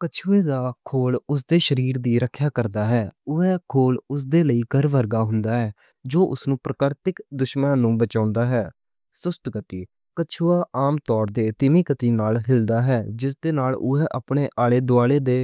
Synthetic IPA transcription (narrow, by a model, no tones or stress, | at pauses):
kət͡ʃʰuːeːd̪aːkʰoːlʊs̬d̪eːʃəɾiːɾd̪iːɾəkʰːjaːkəɾd̪aːɦɛːʊɛːkʰoːlʊs̬d̪eːləiːkəɾʋəɾɡaːɦʊnd̪aːɦɛː | d͡ʒoːʔʊ̰snũːpɾəkəɾt̪ɪkd̪ʊʃmənːnũːbət͡ʃãːʊnd̪aːɦɛː | sʊst̪ɡət̪iː | kət͡ʃʰuːaːʔaːmt̪ɔːɾd̪eːt̪ɪmiːkət̪iːnaːlɦɪld̪aːɦɛːd͡ʒɪs̬d̪eːnaːlʊɦɛːʔaːpɳeːʔaːleːd̪ʊaːleːd̪eː